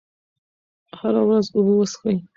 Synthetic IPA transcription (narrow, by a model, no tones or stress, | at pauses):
haɾawɾazʊbuwəsxaj